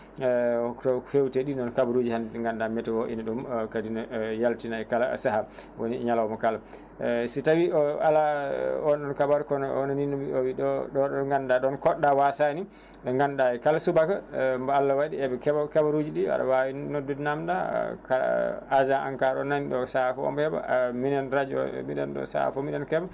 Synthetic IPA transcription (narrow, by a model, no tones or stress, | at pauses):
tɔfewtɛɗinɔnkabaɾud͡ʒihandŋɡandamɛtɛwoʔiniɗumkadinɔjaltinaɛkala̰saha | wonḭɲalawmɔkala | sitawialaɔnɗɔnkabaɾukɔnɔnɔninɔwiɗɔɗɔɔŋɡandaɗɔnkɔɗːawasani | ɗɔŋɡandaɛkalasubakambaalːawaɗiɛbɛkɛbakɛbaɾud͡ʒiɗia̰ɗa̰wawinnɔdunamda̰kaad͡ʒaa̰ŋkaɾɔnaniɗɔsahafɔɔ̰mhɛba̰minɛnɾad͡ʒɔ̰miɗɛ̰nɗɔ̰sa̰ha̰fɔmiɗɛnkɛba